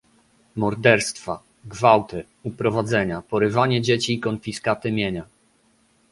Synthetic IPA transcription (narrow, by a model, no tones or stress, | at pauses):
mɔɾd̪ɛɾst̪fa | ɡvawt̪ɘ | upɾɔvad̪zɛɲapɔɾɘvaɲɛd͡ʑet͡ɕiːkɔnfʲiskat̪ɘmʲjeɲa